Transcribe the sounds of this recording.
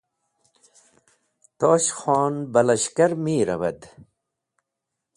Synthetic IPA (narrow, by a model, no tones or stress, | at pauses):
t̪oːɕxoːnbɐlɐɕkɐɾmiːɾɐ̰ʋɐ̰d̪